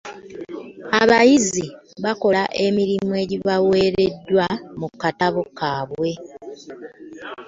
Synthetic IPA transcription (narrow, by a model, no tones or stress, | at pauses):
aβajiziβako̞laʔe̞miɾimue̞ːɟiβawe̞ːɾe̞dːwamukːataβokaːβwe̞